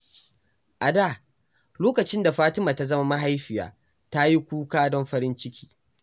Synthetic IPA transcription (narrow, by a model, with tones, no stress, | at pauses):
ʔa˨da˦˨ | loː˦kɐ˨t͡ʃɪ˦nda˨ɸaː˦tɪ˦maː˨ta˦zɐ˦ma˦ma˦ɦa˦jɸɪ˨ja̰ː˨ | ta˦ji˦kʷuː˦kaː˦dɔ˦mɸɐ˦ɾɪ˦nt͡ʃɪ˦kʲʰi̥ː˦